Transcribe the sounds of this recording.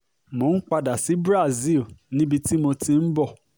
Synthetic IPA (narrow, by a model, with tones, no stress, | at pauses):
mo˨˦n̩˦k͡pa˧da˨si˨˦bɾa˦˨zi˦˨lnĩ˦bi˧ti˦mo˧tĩ˧n̩˦bɔ˦˨